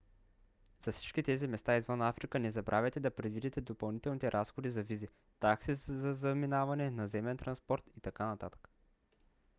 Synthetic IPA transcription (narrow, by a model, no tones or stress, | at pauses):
z̥ɐfsi̥t͡ʃk̟it̪ɛzimɛst̪aizvənafɾikənɛzɐbɾʔavɛt̪ɛd̪ɐpɾɛd̪vid̪it̪ɛd̪opɐlˠnit̪ɛlˠnit̪ɛɾʔasxod̪izɐvizi | t̪aksizɐzɐminavɐnɛnɐzɛmɛnt̪ɾɐnspɔɾt̪it̪ɐkanɐt̪at̪ə̥kə̥